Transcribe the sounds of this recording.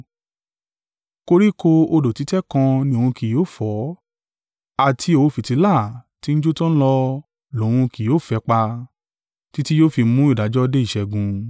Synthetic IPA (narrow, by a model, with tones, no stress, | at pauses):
ko˧ɾi˦ko˧o˧do˨ti˨˦tɛ˦kã˧nĩ˧õ˧ũ˧ki˨joː˦˨fɔ˨˦ | a˨tʰi˧˦o˧˦fi˨ti˨˧˦la˦˨ti˨˦n̩˦d͡ʒo˦tɔ̃˦lɔ˧ | lo˨˦w̃ũ˧ki˨oː˦˨fɛ˧˦k͡pa˧ | ti˦ti˦joː˦fi˧mũ˦i˦˨da˨˦d͡ʒɔ˦˧de˦i˦˨ʃɛ˧˨ɡũ˧